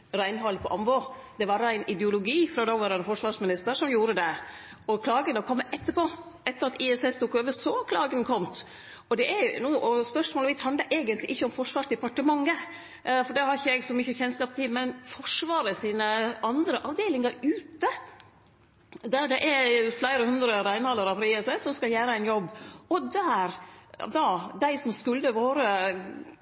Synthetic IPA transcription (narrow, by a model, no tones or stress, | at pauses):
ɾæɪnɦɔlːpʰɔʔɑmboːd̪ɛʋɑɾæɪnɪd̪ɛʊlʊɡiːfɾɑd̪ɑːʋɑɾɛnfɔʂʋɑːʂmɪnɪst̪əɾʂɔmjuːɾəd̪ɛ | ɔkʰlɑːɡənəkʰɔmːəʔɛt̪ːəpoː | ɛt̪ːəɾɑt̪ɪɛsɛst̪uːkːøːʋəsɔkʰlɑːɡənkʰɔmt̪ | ɔd̪ɛʔɛɾjnuːʔɔspœʂmoːləʋɪshɑnd̪əʔeːɡənt̪lɪʔɪçːəɔmfɔʂʋɑːʂd̪ɛpɑʈəmɑŋːə | fɔɖɛhɑɾɪçːəɛɡsɔmyçəçɛnskɑːpt̪ʰɪmɛnfɔʂʋɑːɾəsiːnəɑnd̪ɾəʔɑʋd̪eːlɪŋɑɾʉːt̪ə | d̪æɖɛʔɛɾflæɪɾəhʉnd̪ɾəɾæɪnhɑlːəɾəfɾɑːiːɛsɛsɔmskɑljæːɾəæɪnjɔbːɔd̪æɾd̪ɑd̪æɪsɔmskʉlːəʋoːɾə